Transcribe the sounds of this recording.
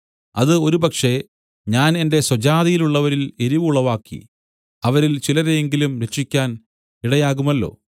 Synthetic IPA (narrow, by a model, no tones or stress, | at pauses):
ɐðɨo̞ɾubɐkʂe̞ | ɲaːne̞nde̞swɐd͡ʑaːðijiluɭːɐʋɐɾile̞ɾiʋuɭːɐʋaːkːḭ | ɐʋɐɾilt͡ɕilɐɾejeŋɡilumɾe̞ʂːikʲːaːn | iɽɐjaːɣumɐlːo̞̰ː